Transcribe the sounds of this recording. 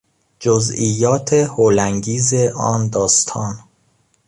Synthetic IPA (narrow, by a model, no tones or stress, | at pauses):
d͡ʒoziːjːɒːt̪ʰehoːlæŋɡiːzeʔɒːnd̪ɒːst̪ʰɒːn